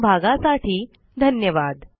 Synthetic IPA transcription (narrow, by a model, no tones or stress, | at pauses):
bʱaɡasaʈʰiː | d̪ʱənjəʋad̪